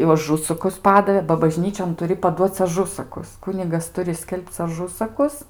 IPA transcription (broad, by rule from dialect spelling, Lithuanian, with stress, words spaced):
jɛʊ ɐˈʒʊsɐkʊs ˈpɑːdɐʋʲeː bɐ bɐˈʒʲnʲiːt͡ʃʲoːn tʊˈrʲɪ pɐˈduɔt͡s ɐˈʒʊsɐkʊs ˈkʊnʲɪɡɐs ˈtʊrʲɪ ˈsʲkʲɛlˠpt͡s ɐˈʒʊsɐkʊs